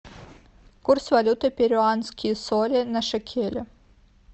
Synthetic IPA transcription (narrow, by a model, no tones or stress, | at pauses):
kursvalʲut̪ɨpʲeɾʲʊanskʲisolʲɪnɐʂɐkʲʰelʲʊ